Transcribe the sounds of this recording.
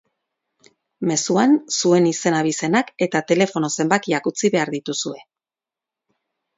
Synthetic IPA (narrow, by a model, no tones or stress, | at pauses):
me̞suansue̞nise̞naβ̞ise̞nake̞t̪at̪e̞le̞fo̞no̞se̞mbakiakut͡siβe̞aɾðit̪usue̞